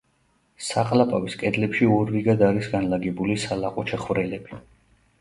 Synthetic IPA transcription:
saqʼlapʼaviskʼɛd̪lɛpʃiɔɾːiɡad̪aɾisɡanlaɡɛbulisalaqʼɔt͡ʃʰɛχvɾɛlɛbi

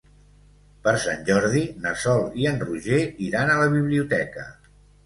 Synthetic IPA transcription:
pəɾsanʲʒɔɾðinəsɔlˠiənruʒeiɾanələβ̞iβliut̪ɛkə

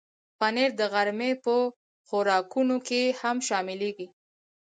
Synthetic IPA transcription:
paneɾd̪əɣaɾmepə | xʊɾɑkunokehamʃɑmɪleɡi

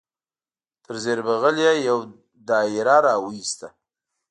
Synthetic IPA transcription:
t̪ʰəɾzeɾbaɣəljajaw | d̪ɑɪɾaɾɑwəist̪a

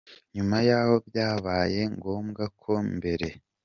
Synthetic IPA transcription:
ɲumajaːho̞bjaːβaːje̞ŋɡo̞ːmɡakʰo̞mbe̞ɾe̞

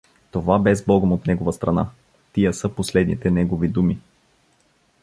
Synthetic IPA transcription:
t̪ovabɛzbɔɡəmot̪nɛɡovəst̪ɾɐna | t̪iəsɤposlɛd̪nit̪ɛnɛɡovid̪umi

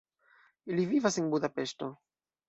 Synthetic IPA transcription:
ilivivaseŋbudapesto

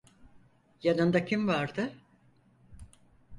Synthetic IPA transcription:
janɯnd̪acʰimvaɾd̪ɯ

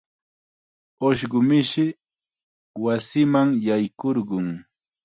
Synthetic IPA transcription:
oʃɢʊmɪʃɪ | wasɪmaŋjajkoɾɢʊŋ

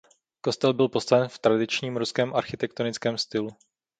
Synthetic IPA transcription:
ko̞st̪ɛlbɪlpo̞st̪avɛnft̪ɾadɪt͡ʃɲiːmɾuskɛːmʔaɾxɪt̪ɛk̚t̪onɪt͡skɛːmst̪ɪlu

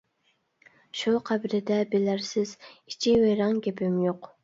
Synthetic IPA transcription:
ʃuqʰæbɪɾɪd̪ɛbɪlæɾsɪzit͡ʃʰiweɾɑŋɡʲepɪmjoq

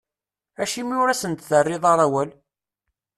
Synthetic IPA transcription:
æʃimiʊɾæsənt̪θərːɪðˤɑɾˤæwæl

